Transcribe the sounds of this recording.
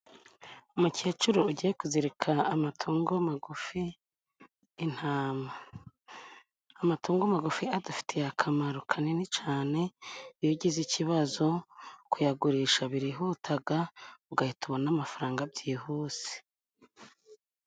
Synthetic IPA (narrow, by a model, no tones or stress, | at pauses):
umuciet͡ʃuɾuuɟijekuziɾekʰaːmatʰuːŋɡomaɡufi | n̥haːma | matuːŋɡomaɡufiadufi̥tʰejakʰamaɾukʰaninit͡ʃaːne̞ijoɟiziciβazo̞kujaɡuɾiːʃaβiɾiɦutʰaɡauɡahituβonamafaɾaːŋɡabɟiːhuːse̥